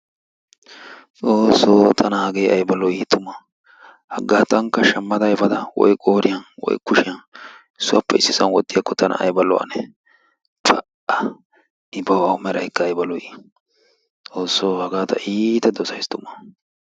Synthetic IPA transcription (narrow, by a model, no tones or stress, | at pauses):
t͡sʼoːsːoːt̪ʰɐnɐhɐɡejɐjbɐlɔit̪ːʊmːɐ | hɐɡːaːt̪ɐŋkːɐʃɐmːɐd̪ɐjfɐd̪ɐwɔ̰jkʼoːɾɪjɐnwɔ̰jkʊʃɪjɐn | sʊʔɐpːɐɪsːɪsɐnwɔd̪ːɪjɐkːɔt̪ʰɐnɐ̰ɐ̰jbɐlɔ̰ɐ̰nɛ | pʰʼɐ | ɐ | ʔɪbɐwahʊmɛɾɐ̰jkːɐːjbɐlɔji | t͡sʼo̞ːsːoːhɐɡaːt̪ɐ̰ʔiːt̪ɐd̪ɔsɐjst̪ʊmːɐ